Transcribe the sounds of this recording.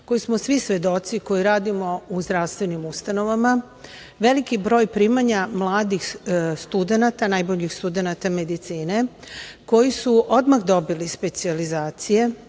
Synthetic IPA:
ko̞jismosʋisʋe̞d̪o̞t̪siko̞jiɾaːd̪imo̞uzd̪ɾaʋst̪ʋe̞nimust̪ano̞ʋama | ʋe̞likibɾo̞ːjpɾimaɲamlˠaːd̪ixst̪ud̪e̞nat̪anajbo̞ʎixst̪ud̪e̞nat̪ame̞d̪it̪siːne̞ko̞jisuʔo̞d̪maxd̪o̞bilispe̞t̪sializaːt̪sije̞

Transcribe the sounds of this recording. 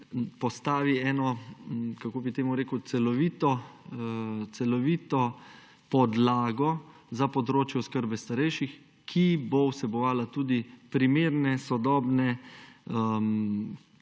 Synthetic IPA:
pɔst̪aːʋiɛːnɔkakoːbit̪eːmuɾeːkəwt̪sɛlɔʋit̪ɔ | t̪sɛlɔʋiːt̪ɔ | pɔd̪laːɡɔ | zapɔd̪ɾoːt͡ʃjɛɔskəɾbɛst̪aɾɛjʃix | kʰibowsɛbɔʋaːlat̪uːd̪ipɾimeːɾnɛsɔd̪ɔːbnɛ | m

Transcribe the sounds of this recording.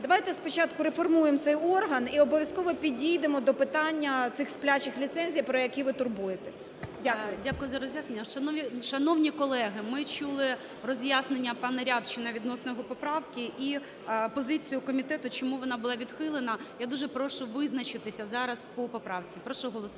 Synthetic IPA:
d̪ɐʋajt̪ɛspɔt͡ʃɑt̪kʊɾefɔrmujemt̪sɛjɔrɦɐniɔbɔʋʲjɐskɔʋɔpʲidʲijd̪emɔd̪ɔpɪt̪ɑnʲːɐt̪sɪxsplʲat͡ʃɪxlʲit̪sɛnʲzʲijpɾɔjɐkʲiʋɪt̪ʊrbujet̪ɛsʲ | dʲaʊjʊdʲakʊjʊzɐɾɔzʲjasnenʲːɐʃɐnɔʋʲiʃɐnɔwnʲikɔlˠɛɦɪmɪt͡ʃulˠɪ | rɔzʲjasnenʲːɐpɑnɐɾʲabt͡ʃɪnɐʋʲid̪nɔsnɔɦɔpɔpɾɑʋkʲiʔi | pɔzɪt͡sʲijʊkɔmʲit̪ɛt̪ʊt͡ʃɔmuʋɔnɑbʊlˠɑʋʲid̪xɪlˠɪnɐjad̪uʒɛpɾɔʃʊʋɪznɐt͡ʃɪt̪ɪsʲɐzɑɾɐspɔpɔpɾɑwt͡sʲipɾɔʃɔɦɔlˠɔs

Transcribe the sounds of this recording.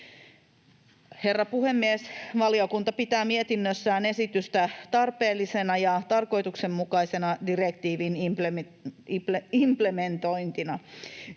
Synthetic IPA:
he̞rːɑpuhe̞mːiesʋɑliokunt̪ɑpit̪æːmiet̪inːøsːæːne̞sit̪yst̪æt̪ɑrpe̞ːlːisenɑjɑt̪ɑrko̞jt̪ukse̞mːukɑisenɑdirekt̪iːʋinimpl | implement̪o̞int̪inɑ

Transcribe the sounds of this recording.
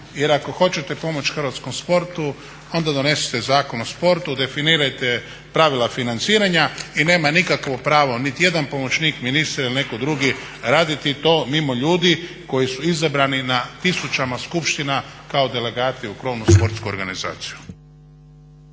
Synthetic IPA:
je̞ɾako̞xo̞t͡ɕet̪e̞po̞mo̞t͡ʃxrɾʋat̪sko̞mspo̞ɾt̪u | ond̪ad̪o̞ne̞si̥t̪e̞zaːko̞nospo̞ɾt̪ud̪e̞finiːɾajt̪e | pɾaʋilˠafinant̪siːɾaɲaine̞ːmanikakʋo̞pɾaːʋo̞nit̪ije̞d̪anpo̞mo̞t͡ʃniːkminist̪ɾailinekod̪ɾuɡiɾaːd̪it̪it̪o̞ːmimo̞ʎuːd̪i | ko̞jisuizabɾaninat̪isut͡ʃamaskupʃt̪inakao̞d̪e̞le̞ɡaːt̪iukɾo̞ːʋnuspo̞ɾt̪skuo̰ɾɡaniza̰ːt̪siju̥

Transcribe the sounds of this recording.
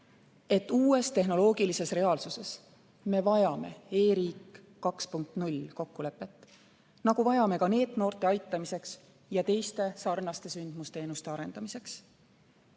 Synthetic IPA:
e̞t̪ːˑuːe̞st̪e̞ɦno̞lo̞ːɡ̥ilise̞sre̞ɑːlsuse̞s | me̞vɑjɑme̞̰e̞ːɾiːkː | ɑkspuŋk̚t̪nulʲko̞kːule̞pːˑe̞t̪ːˑ | nɑɡ̥uvɑjɑme̞kɑne̞ːd̪no̞ːrt̪ˑe̞ɑjt̪ːˑɑmise̞ks | jɑt̪e̞jst̪e̞sɑrnɑst̪e̞synd̪̥must̪e̞ːnust̪e̞ɑɾe̞nd̪ɑmise̞ks

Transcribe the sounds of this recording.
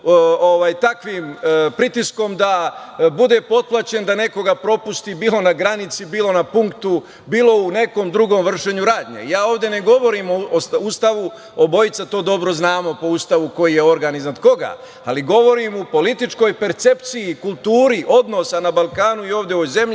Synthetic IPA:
oʋaːjt̪akʋiːmpɾit̪isko̞md̪abud̪e̞po̞t̪̚plˠat͡ɕe̞nd̪ane̞ko̞ɡapɾo̞pust̪ibiːlo̞naɡɾanit̪sibiːlˠo̞napuŋkt̪u | biːlˠo̞une̞ko̞ːmd̪ɾuɡo̞mʋr̩ʃe̞ɲuɾaːd̪ɲḛijaːoːʋd̪je̞ne̞ɡo̞ʋo̞ɾimosust̪aʋu | obo̞jit̪sat̪o̞ːd̪o̞bɾo̞znaːmo̞po̞ust̪aʋuko̞jije̞o̞ɾɡaniznad̪ko̞ɡa̰ | a̰liɡo̞ʋo̞ɾimupo̞lit̪it͡ʃko̞ːjpe̞ɾt̪se̞pt̪sijikulˠt̪uːɾiʔo̞d̪no̞sanabalˠkaːnuio̞ːʋd̪jeoze̞mʎi

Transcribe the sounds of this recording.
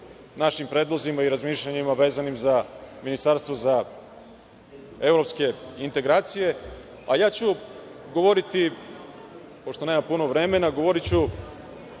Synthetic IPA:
naʃimpɾe̞ːd̪lˠozimaiɾazmiːʃʎaɲimaʋe̞ːzanimzaminist̪aɾst̪voza | e̞vɾo̞pske̞int̪e̞ɡɾaːt̪sije̞ | ajaːt͡ɕu | ɡo̞ʋoɾit̪i | po̞ʃt̪oneːmampuno̞ʋɾe̞me̞naɡo̞ʋoɾit͡ɕu

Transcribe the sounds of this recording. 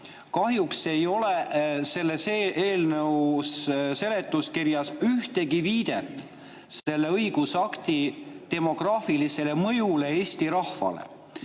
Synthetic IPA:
kɑɦjukse̞jo̞le̞se̞lːe̞seʔe̞ːlnɤwsse̞le̞t̪ːˑuskiɾjɑsyht̪e̞ɡiviːd̪̥e̞t̪ˑ | se̞lːe̞ɤjɡ̥usɑkt̪it̪e̞mo̞ɡ̥rɑːfilise̞le̞mɤjule̞eːsʲt̪iɾɑhfɑ̰lḛ

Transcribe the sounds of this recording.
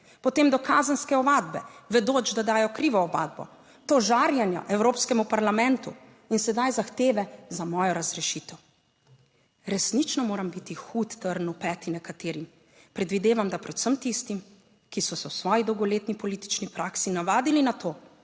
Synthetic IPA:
pɔt̪eːmd̪ɔkaːzənskɛɔʋaːd̪bɛʋɛd̪oːt͡ʃd̪ad̪aːjɔkɾiːʋɔɔba̰ːd̪̚bɔ̰ | t̪ɔʒaɾjanja̰ʔɛwɾoːpskɛmupaɾlamɛ̃nt̪u | insɛd̪ajzaxt̪eːʋɛzamɔːjɔɾazɾɛʃiːt̪ɛw | ɾɛsnit͡ʃnɔmoːɾambit̪ixuːt̪ːəɾnupɛːt̪inɛkat̪eːɾim | pɾɛd̪ʋid̪eːʋamd̪apɾɛt̪səmt̪ist̪im | kisɔsɛwsʋɔːjid̪ɔwɡɔleːt̪nipɔliːt̪i̥t͡ʃnipɾaksinaʋaːd̪ilinat̪oː

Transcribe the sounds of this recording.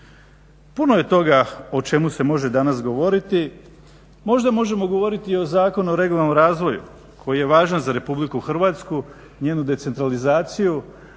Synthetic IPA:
puno̞je̞t̪o̞ɡao̞t͡ʃe̞muse̞mo̞ʒe̞d̪anasɡo̞ʋo̞ɾit̪i | mo̞ʒd̪amo̞ʒe̞mo̞ɡo̞ʋo̞ɾit̪io̞zaːko̞nuoɾe̞ɡolˠanomɾaːzʋo̞jṵ | kʰo̞jije̞ʋaːʒanzaɾe̞publikuxr̩ʋaːt̪sku | ɲe̞ːnud̪e̞t̪se̞nt̪ɾalizaːt̪siju

